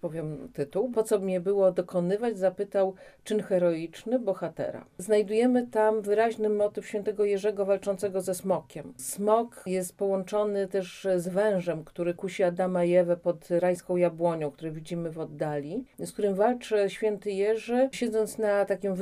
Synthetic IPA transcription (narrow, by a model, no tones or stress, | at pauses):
pɔvʲjɛmt̪ɘt̪uwpɔt̪sɔbmʲɲɛbɘwɔd̪ɔkɔnɘvad͡ʑzapɘt̪aw | t͡ʂɘnxɛɾɔit͡ʂnɘbɔxat̪ɛ̰ɾa̰znajd̪ujɛmɘt̪amvɘɾaʑnɘmɔt̪ɘfɕfʲjɛnt̪ɛɡɔjɛʐɛɡɔvalt͡ʂɔnt̪sɛɡɔzɛsmɔkʲɛmsmɔkjɛst̪̚pɔwɔnt͡ʂɔnɘt̪ɛʂzvɛ̃w̃ʐɛmkt̪uɾɘkuɕiad̪amajɛvɛpɔt̪ɾaj̃skɔ̃w̃jabwɔɲɔ̃w̃kt̪uɾɛvʲid͡ʑimɘvɔd̪ːalʲiskt̪uɾɘmvalt͡ʂɛɕfʲjɛnt̪ɘjɛʐɛɕɛd̪zɔnt̪snat̪akʲim